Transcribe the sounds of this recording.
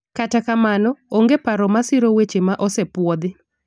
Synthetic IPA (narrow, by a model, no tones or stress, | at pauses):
katakamanɔoŋɡepaɾɔmasɪɾowet͡ʃemaʔɔsepwɔd̪ɪ